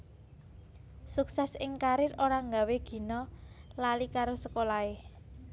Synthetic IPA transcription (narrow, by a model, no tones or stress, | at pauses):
suksɛsɪŋkaɾɪɾoɾaŋɡaweɡ̥i̤nɔlalikaɾosəkolae